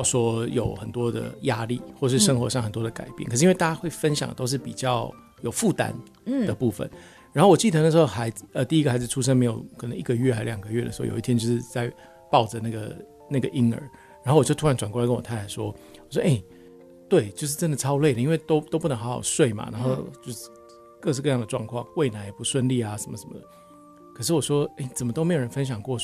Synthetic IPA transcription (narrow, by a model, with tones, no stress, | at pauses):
ʂwɔ˥jo̰˨˩ʊxə˨˩nt̪wɔ˥d̪ə̰˨˩ja˥lḭ˥˩xwɔ˩˨˩ʂɻ̩˥˩ʂə˥ŋxwɔ̰˧˥ʂɑ˥˩ŋxə˨˩nt̪wɔ˥d̪ə˨ka̰˨˩ɪpjɛ̰˥˨kʰʂ̩˥i˥nwe˥˧ɪta˥˧˩t͡ɕa˥xwe˥˩ɪfə˦nɕjɑ̰˨˩ŋdə˨t̪o˥ʊʂ̬̩˥˩pi˨˩t͡ɕjɑ˥˩ʊ | jo˨˩ʊfu˥˩t̪a̰˥n | d̪ə˨pu˥˩fə̰˨˩n | ɻa˧˦nxo˥˩wɔ˨˩t͡ɕi˥˩t̪ə˧n˧˩ʂɻ̩˧xo˥˩xa˧˥ɪd͡zə˧t̪i˥˧i˦˥ɡə˩xa˧˥d͡z̩˨˩ʈ͡ʂʰu˥ʂ̬ə˥ŋme˧˥ɪjo˨˩ʊkʰə˨˩nə˧˦ŋʔi˥˩ɡə˧ɥɛ˥˩xa˧˥ɪljɑ˨˩ŋɡə˦ɥɛ˥˩ə̰˨ʂɻ̩˧˥o˥˨jo̰˨˩˨t̪ʰjɛ˥t͡ɕjo˥˧ʊʂɻ̩˥˧t͡sa˥˧ɪ | pɑ˥˩ʊʈ͡ʂə˩na˥˩ɡə̰˩ | na˥˩ɡə˩ʔi˦˥ŋə̰˞˧˥ | ɻa˨˥nxo˥˩wɔ˨˩t͡ɕo˥˧ʊt̪ʰu˥ɻa˧˦nʈ͡ʂwa˨˩nkkə˥nwɔ˨˩a˥nt̪ʰa˨˩ʂwɔ̰˦˥wɔ˨˩ʂ̬wɔ̰˥ʔe˥˩ɪ | t̪we˥˩ɪt͡ɕjo˥˧ʊʂ̬ɻ̩˥˩ʈ͡ʂə˦˥nd̪ə˨˩ʈ͡ʂʰɑ˥ʊle˥˩ɪdə˩i˥nwe˥˧ɪt̪o˥ʊt̪o˥pu˥˩nə˧˦ŋxa˧˥xɑ̰˨˩ʊswe˥˩ɪma̰˨˩na˧˥nxo˥˧ʊt͡ɕjo˥˧ʊʂ̩˥˧ | kɤ˥˧ʂ̬ɻ̩˥˧kɤ˧jɑ˥˩ŋd̪ə˩ʈ͡ʂwɑ̰˥˧ŋkʰwɑ̰˥˩ŋkwe˥˩ɪna˧˥njɛ˨˩pu˧˥swə˥˧nli˥˨˩a˨ʂə˧˦nmə̰˧ʂə˧˦mə̰˩d̪ə˩ | kʰɤ˨˩ʂɻ̩˥˩wɔ˨˩ʂwɔ˥e˥˩ɪt͡sə˨˩mə˩t̪o˥me˧˥jo˨˩ɻə˦nfə˥nɕ̬jɑ˨˩ŋkwɔ˥˩